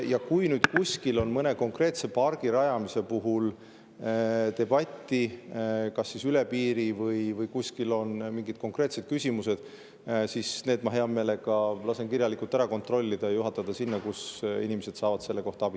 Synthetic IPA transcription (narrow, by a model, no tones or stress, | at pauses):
jɑkujnyːd̪̥kusʲkilo̞nmɤne̞ko̞ŋkre̞ːt̪se̞pɑrɡ̥iɾɑjɑmise̞puɦul | t̪e̞b̥ɑt̪ʲːˑikɑsːisyle̞piːɾivɤjvɤjkusʲkilo̞nmiŋɡid̪̥̚ko̞ŋkre̞ːt̪se̞d̪̚kysʲimuse̞d̪̥ | sisne̞ːd̪mɑɦe̞ɑme̞ːle̞ɡ̥ɑlɑse̞nkiɾjɑlikːˑult̪æɾɑko̞nt̪ro̞lʲːid̪̥ɑjɑjuɦɑt̪ːˑɑd̪̥ɑsinːɑkusinimese̞d̪̥sɑːvɑd̪selːe̞ko̞ht̪ɑɑb̥i